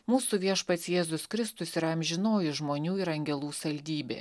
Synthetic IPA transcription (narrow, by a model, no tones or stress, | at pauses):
muːsuʋʲiɛʃpɐt̪sjeːzʊskɾʲɪst̪ʊsɪɾɐmʲʒʲɪnoːjɪʒmoːnʲuːɪɾɐŋʲɡʲɛlˠuːsɐlʲd̪ʲiːbʲḛː